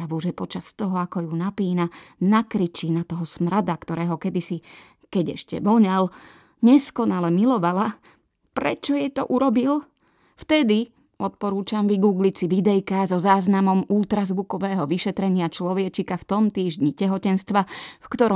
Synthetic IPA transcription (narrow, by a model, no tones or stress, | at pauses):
aʋuʒɛpɔt͡ʃast̪ɔɦɔakɔjunapiːnanakɾit͡ʃiːnat̪ɔɦɔsmɾad̪akt̪ɔɾɛːɦɔkɛd̪isi | kɛɟɛ̰ʃcɛ̰bɔɲal | ɲɛskɔnalɛmilɔʋala | pɾɛ̰t͡ʃɔjɛt̪ɔʔuɾɔbil | ft̪ɛd̪i | ɔt̪̚pɔɾuːt͡ʃamʋiɡuːɡlit͡siʋid̪ɛjkazɔzaːznamɔmulˠt̪ɾazʋukɔʋɛːɦɔʋiʃɛt̪ɾɛɲɪat͡ʃlɔʋɪɛt͡ʃikaft̪ɔmt̪iːʒɲicɛɦɔcɛnst̪ʋafkt̪ɔɾɔ